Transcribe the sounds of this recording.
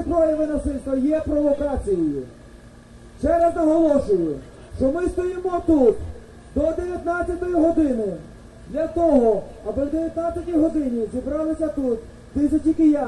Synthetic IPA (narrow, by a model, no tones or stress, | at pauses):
p̪ɾɔjɛʋɪnɔsɪst̪ɐjɛpɾɔʋɔkɑt͡sʲijɪjʊ | t͡ʃɛɾɐznɐɦɔlˠɔʃʊjʊ | ʃt͡ʃɔmɪst̪ɔjimɔt̪ut̪ | d̪ɔd̪eʋʲjɐt̪nat͡sʲːɐt̪ɔjʊɦɔd̪ɪnʊ | d̪lʲɐt̪ɔɦɔɐbɪwd̪eʋʲjɐt̪nat͡sʲɐtʲijɦɔd̪ɪnʲizʲibɾɑlˠɪsʲɐt̪ut̪ | d̪ɪsʲɐtʲikɪja